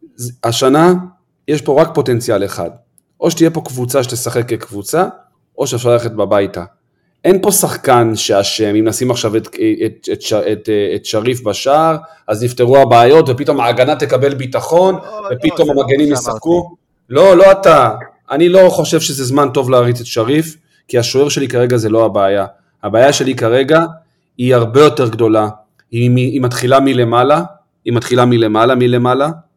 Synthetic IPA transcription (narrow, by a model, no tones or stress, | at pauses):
zaʃana | jeʃpo̞ʁak̚po̞te̞nt͡sijaleχa̰d | ʔo̞ʃet̪ijepo̞kvut͡saʃet̪e̞saχeklekvut͡sa | ʔo̞ʃeafʃaʁlaleχet̚babajta̰ | ʔenpo̞saχkanʃeaʃe̞mimnasimaχʃaveteetetaetetʃaʁifbaʃaʁ | ʔaznifteʁuabaːjo̞tvepito̞maːɡanat̪e̞kabe̞lbitaχo̞nve̞pito̞mamaɡe̞nimjesaχku | lo̞lo̞ata | ʔanilo̞χo̞ʃe̞vʃezezmanto̞vlaːʁit͡setʃaʁif | kiaʃoe̞ʁʃe̞likaʁe̞ɡaze̞lo̞abeːja | abaːjaʃe̞likaʁe̞ɡa | iaʁbe̞jo̞te̞ʁɡdo̞la | imiːmatχilamile̞mala | imatχilamile̞malamile̞mala